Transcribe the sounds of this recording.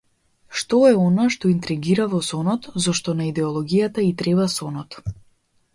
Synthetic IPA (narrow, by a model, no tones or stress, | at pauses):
ʃt̪ɔɛɔnaʃt̪ɔint̪ɾɛɡiɾavɔsɔnɔt̪zɔʃt̪ɔnaid̪ɛɔlˠɔɡijat̪ait̪ɾɛbasɔnɔt̪